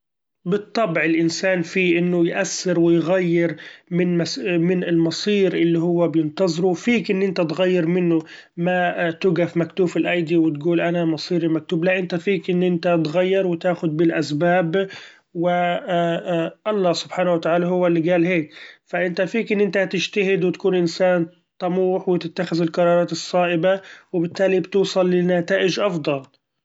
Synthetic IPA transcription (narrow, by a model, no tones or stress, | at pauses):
bɨt̪ˤːɑbʕɪlʔɪnsaːnfiːʔɪnːʊjʔasːɪɾwɪjɣajːɪɾmɪnmasmɪnɪlmɑsˤiːɾʔɪlːihʊwːabjɪnt̪ɑzˤɾufiːkʔɪnːʔɪnt̪at̪ɣajːɪɾmɪnːʊ | mat̪ʊɡafmakt̪uːfɪlʔajd̪iwɪt̪ɡuːlʔanamɑsˤiːɾimak̚t̪uːblaʔɪnt̪afiːkʔɪnːʔɪnt̪at̪ɣajːɪɾˤwɪt̪aːxʊd̪̚bɪlʔasbaːb | wɪ | ʔɑlˤːɑːsʊb̥ħaːnawat̪aʕaːlaɦʊwːalːiɡaːlɦeːkfaʔɪnt̪afiːkʔɪnːʔɪnt̪at̪ɪʃt̪aɦɪd̪wɪt̪ḁkuːnʔɪnsaːn | t̪ˤɑmuːħwɪt̪ɪt̪ːaxɪzɪlqɑɾˤɑːɾˤɑːt̪ɨsˤːɑːʔɪbawɪbɪt̪ːaːlibt̪uːsˤɑlːɪnːat̪aːʔɪd͡ʒʔɑfd̪ˤɑl